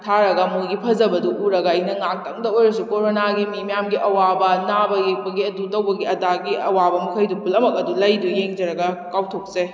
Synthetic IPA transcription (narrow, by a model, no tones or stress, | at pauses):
tʰaɾɐɡɐmuɡipʰɐzɐbɐduʔuɾɐɡɐinɐŋak̚tɐŋdɐojɾɐsukoɾonaɡimimijamɡiʔɐwabɐnabɐjek̚bɐɡiɐdutɐwbɐɡiɐdaɡiɐwabɐmɐkʰɐjdupulɐmɐk̚ɐdulɐjdujeŋd͡ʒɐɾɐɡɐkawtʰok̚se